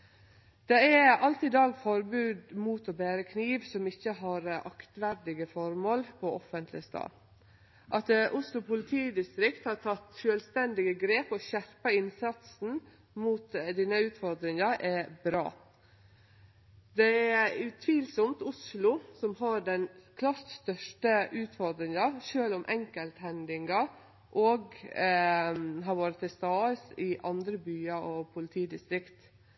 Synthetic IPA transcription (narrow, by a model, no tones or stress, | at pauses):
d̪̥ɛæɑlt̪ɪd̪ɑːɡfɔɾbʉːd̪muːt̪ɔbeːɾəkʰniːʋsɔmɪçːəɦɑɾʔɑ̰kt̪ʋæɾɖɪɡəfɔɾmoːlpʰɔɔfənt̪ʰlɪst̪ɑ̰ː | ʔɑt̪ʔʊslʊpʰʊlɪt̪ʰiːd̪ɪst̪ɾɪkt̪hɑːt̪ʰɑt̪ʃøːlst̪ɛnd̪ɪɡəɡɾeːpɔʃæɾpɑɪnsɑt̪sn̩ | muːt̪d̪iːnəʉːt̪fɔɾd̪ɾɪŋəʔɛbɾɑ̰ː | d̪ɛæʉt̪ʰʋiːlsɔmt̪ʊslʊsɔmɦɑɾɖɛnkʰlɑːɾt̪st̪œʂʈəʔʉːt̪fɔɾd̪ɾɪŋɑʃøːlɔmʔɛŋkəlt̪hɛnd̪ɪŋɑ | ʔɔːɡ | ɦɑɾʋɑːɾət̪ʰɪlst̪ɑːsɪʔɑnd̪ɾəbyːɑɔpʰʊlɪt̪ʰiːd̪ɪst̪ɾɪkt̪